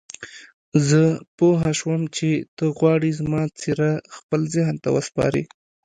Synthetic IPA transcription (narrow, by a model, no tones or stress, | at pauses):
zəpoɦaʃwəmt͡ʃet̪əɣwɑɽizmɑt͡siɾaxpəlzɪɦnt̪a̰wəspɑ̰ɾḭ